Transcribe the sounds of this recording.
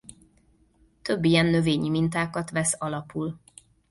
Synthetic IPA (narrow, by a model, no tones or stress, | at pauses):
t̪ø̞bːijɛnːø̞veːɲimint̪aːkɒt̪ʋɛsɒlɒpul